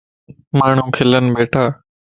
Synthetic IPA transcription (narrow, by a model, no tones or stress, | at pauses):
maːɳ̤ũːkʰɪlənbeːʈʰaː